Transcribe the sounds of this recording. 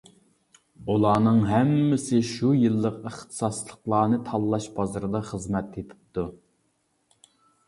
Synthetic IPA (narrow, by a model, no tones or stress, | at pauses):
ulˠɑːnɨŋɦɛmːɪsɪʃujɨlˠːəqəχt̪ʰɨ̥sɑslˠəqlˠɑːnɨt̪ʰɑlˠːɑʃbɑzɨɾɨd̪ɑχəzmɛt̪et̪ʰɨ̥p̚t̪u